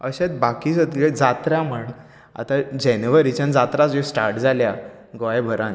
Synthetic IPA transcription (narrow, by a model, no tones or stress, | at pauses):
əɕãt̪bakisəd̪ɡed͡zat̪ɾjaməɳ | a̰t̪ad͡ʑɛnʋəɾit͡ɕãnd͡zat̪ɾat͡sd͡ʑosʈaɾʈd͡zʱalja | ɡʋajbʱəɾãn